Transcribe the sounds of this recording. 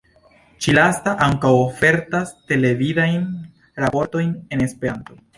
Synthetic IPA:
t͡ʃilastaʔaŋkawofe̞ɾtaste̞le̞vidajn | ɾapo̞ɾto̞jne̞ne̞spe̞ɾanto̞

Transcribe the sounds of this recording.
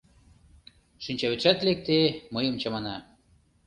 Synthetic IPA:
ʃinʲt͡ɕɑβet͡ʃæt̪lek̚t̪eməjə̆mt͡ɕɑmɑnɑ

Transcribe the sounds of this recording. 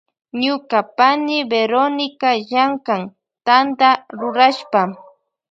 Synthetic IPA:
ɲʊkapanɪbeɾonɪkaʒaŋkaŋ | t̪and̪aɾʊɾaʃpa

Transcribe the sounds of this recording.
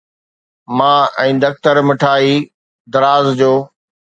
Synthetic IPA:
mãːɛ̃ːd̪ɐk̚t̪əɾmɪʈʰaːiː | d̪ɐɾaːzd͡ʑoː

